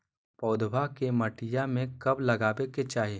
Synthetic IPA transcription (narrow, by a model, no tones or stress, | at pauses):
pɔːd̪bakemɐʈɪjamẽkɐblɐɡaːbeket͡ʃaːɦieː